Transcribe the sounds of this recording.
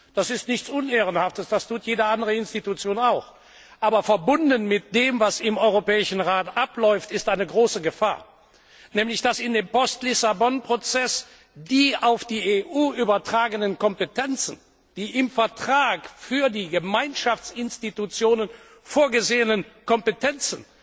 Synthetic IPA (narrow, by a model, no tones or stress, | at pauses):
d̥asɪstnɪçt͡sʔʊneːʁ̞ənhaftəsd̥astʰuːtʰjeːdəandəʁəɪnstitut͡sjoːnaʊx | ʔaːbɐfɛɐbʊndənmɪt̚d̥eːmvasɪmɔʏʁopɛːɪʃn̩ʁaːtʔaplɔʏftɪstʔaɪnəɡʁoːsəɡəfa̰ːɐ | nɛːmlɪçd̥asɪndeːmpɔstlɪsabɔnpʁ̥ot͡sɛs | d̥iːʔaʊfd̥iːeːʔuːʔyːbɐtʁ̥aːɡənənkɔmpətɛnt͡sən̩ | d̥iːʔɪmfɛɐtʁ̥aːkfyːɐdiːɡəmaɪnʃaft͡sɪnstitut͡sjoːnən | foːɐɡəzeːənənkɔmpətɛnt͡sn̩